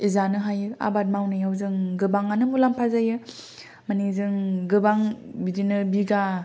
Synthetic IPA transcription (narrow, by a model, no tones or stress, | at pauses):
izanɯɦajɯa̰bat̬̚mawnɯjawzɯŋɡɯbaŋanɯmulampʰazajɯ | manizɯŋɡɯbaŋbidinɯbiɡa